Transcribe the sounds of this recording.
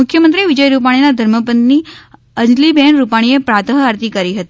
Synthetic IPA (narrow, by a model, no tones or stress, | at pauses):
ukʰjəmənt̪ɾiːʋid͡ʑəjɾupaɽ̃inad̪ʱəɾməpənniː | ənlibeɳɾupaɽ̃iepɾat̪ʰəɦəaɾt̪iːkəɾiːɦət̪i